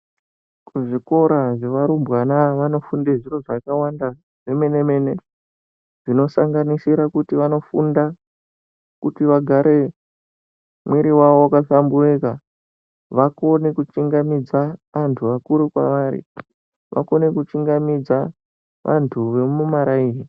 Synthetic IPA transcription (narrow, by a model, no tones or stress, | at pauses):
kuʐiko̞ɾaʐe̞ʋaɾumbwanaʋano̞fundeʐiro̞ʐakawanda | ʐe̞me̞ne̞me̞ne̞ | ʐino̞saŋɡanisiɾakutiʋano̞funda | kutiʋaɡʱaɾe̞ | mwiɾiwaʋowakasambureka | ʋako̞ne̞kut͡ʃiŋɡamid͡zaʋantʰuʋakuɾukwa̰ʋaɾḭ | ʋʔa̰ko̞ne̞kut͡ʃiŋɡamid͡za | ʋʔa̰ntʰuʋe̞mumaɾaiːɦi